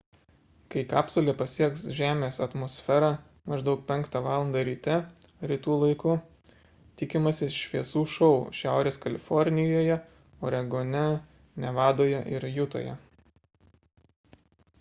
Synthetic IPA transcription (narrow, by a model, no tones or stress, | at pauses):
kɐɪkɑːpsolʲepɐsʲiɛksʒʲæːmʲeːsɐt̪moːsʲfʲɛɾɑ | mɐʒd̪ɒʊk̚pʲɛŋˑkt̪ɑʋɑːlˠɐnd̪ɐɾʲiːt̪ʲɛɾʲit̪uːlˠɐɪkʊ | t̪ʲɪkʲɪmɐsʲɪʃʲʋʲiɛsuːʃɒʊʃʲæˑʊɾʲeːskɐlʲɪfɔɾʲnʲɪjoːjɛ | oːɾʲɛɡoːnʲɛ | nʲɛʋɑːd̪oːjɛʔɪɾjʊt̪o̰ːjɛ̰